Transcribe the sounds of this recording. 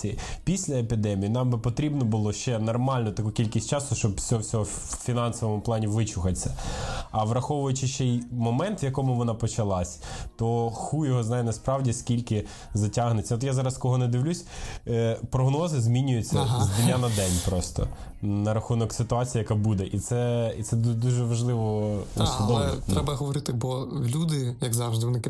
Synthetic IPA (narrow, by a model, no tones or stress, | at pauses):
iipʲisʲlʲɐepʲid̪ɛmʲijinɑmbɪpɔt̪ɾʲibnɔbʊlˠɔʃt͡ʃɛnɐrmɑlʲnɔt̪ɐkukʲilʲkʲisʲt͡ʃɑsʊʃt͡ʃɔbsʲɔɔwsʲɔɦɔfʲinɑnsɔʋɔmʊplˠɑnʲiʋɪt͡ʃʊxɐt͡sʲːɐɐʋrɐxɔʋʊjʊt͡ʃɪʃt͡ʃɛjmɔmɛnt̪ʋjɐkɔmʊʋɔnɑpɔt͡ʃɐlˠɑsʲt̪ɔxujɔɦɔznɑjɛnɐspɾɑwdʲiskʲilʲkɪ | zɐtʲaɦnet͡sʲːɐɔt̪jazɑɾɐskɔɦɔnɛd̪ɪʋlʲusʲ | pɾɔɦnɔzɪzʲmʲinʲʊjʊt͡sʲːɐzʲd̪inʲːanɐd̪ɛnʲpɾɔst̪ɔ̰ | nɐɾɐxunɔksɪt̪ʊɑt͡sʲijijɐkabud̪ɛʔit̪sɛit̪sɛd̪uʒɛʋɐʒlˠɪʋɔusʲʊd̪ɔɛt̪ɾɛbɐɦɔʋɔɾɪt̪ɪbɔlʲud̪ɪjɐɡzɑwʒd̪ɪʋɔnɪkɪ